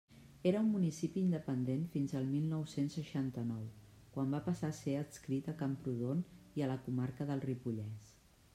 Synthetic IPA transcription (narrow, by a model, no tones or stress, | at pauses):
eɾəummːunisipiːnd̪əpənd̪enfinzəlˠmilˠnɔwsensːəʃant̪ənɔw | kwambapəsaseət̪skɾit̪əkampɾuðoniələkumaɾkəðəlˠripuʎɛs